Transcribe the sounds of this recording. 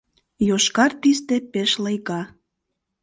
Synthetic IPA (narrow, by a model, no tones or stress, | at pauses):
joʃkɑrt̪ist̪epeʃlɤjɣɑ